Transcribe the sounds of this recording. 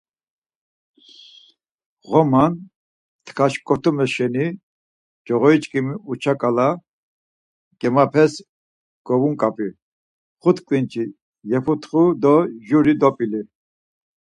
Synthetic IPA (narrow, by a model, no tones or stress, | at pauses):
ʁɔman | t̪ʰkʰaʃkʼɔt̪ʰumɛʃɛni | d͡ʒɔʁɔit͡ʃʼkʼimut͡ʃʰakʼala | ɡ̥ɛmapʰɛs | ɡ̥ɔvuŋkʼapʼi | χut̪ʰkʼlint͡ʃʰʼi | jɛpʰut̪ʰχud̪ɔʒuɾid̪ɔpʼili